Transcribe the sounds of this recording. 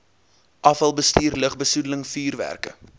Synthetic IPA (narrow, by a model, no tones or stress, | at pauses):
ʔɐfɐlˠbəstiːrləχbəsudələŋfyːrvæ̰rkə̰